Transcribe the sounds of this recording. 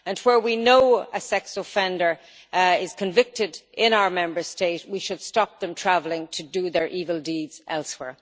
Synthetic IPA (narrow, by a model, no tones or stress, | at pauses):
ə̃nwə˞winoʊəsɛksə̥fɛ̃ndə˞ | ɪz̥kʰɨ̃ɱvɪk̚tɪɾɪ̃ñaʊə˞mɛ̃mbə˞steɪtwiʃɨd̥stɑp̚ðə̃mtʰɹ̥ævlˠɪ̃ŋtʰɨdəðə˞ʔivəlˠdidz̥ʔɛlˠswɛ̰ɹ